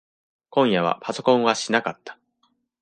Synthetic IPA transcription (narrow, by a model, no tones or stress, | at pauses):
kõ̞ɰ̃jaβ̞a̰pʰaso̞kõ̞ɰ̃βaɕinakat̪ːḁ